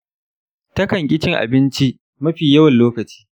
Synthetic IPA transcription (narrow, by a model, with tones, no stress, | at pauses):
tɐ˦kɐ˨ŋkʲʼɪ˦t͡ʃɪ˦ŋʔa̰˨bɪ˦nt͡ʃi˦ʔ | mɐ˦ɸiː˨jɐ˦wɐ˨nloː˦kɐ˨t͡ʃi̥ː˦